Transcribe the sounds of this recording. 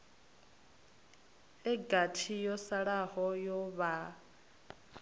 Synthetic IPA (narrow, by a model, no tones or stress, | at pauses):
ɛɡatʰijɔsaɺahɔjɔβa